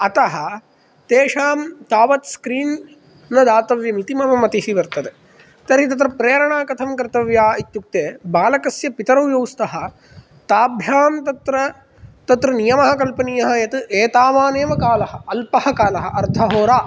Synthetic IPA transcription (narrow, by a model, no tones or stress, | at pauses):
ɐt̪ɐɦɐ̆ | t̪eːʂaːmt̪aːʋɐt̪skɾiːnː | ɐd̪aːt̪ɐʋjɐmit̪imɐmɐmɐt̪ihiʋɐɾt̪ɐt̪e | t̪ɐɾɦit̪ɐt̪ɾɐpɾeːɐɾɐɳaːkɐt̪ʰɐmkɐɾt̪ɐʋjaːit̪juk̚t̪eːbaːlɐkɐsjɐpit̪ɐɾɐwjɐwst̪ɐɦɐ̆ | t̪aːbʱjaːmt̪ɐt̪ɾɐ | t̪ɐt̪ɾɐnijɐmɐɦɐkɐlpɐnijɐɦɐjɐt̪ɨʔeːt̪aːʋaːneːʋɐkaːlɐɦɐ̆ɐlpɐhɐkaːlɐɦɐ̆ʔɐɾt̪ʰɐɦoːɾaː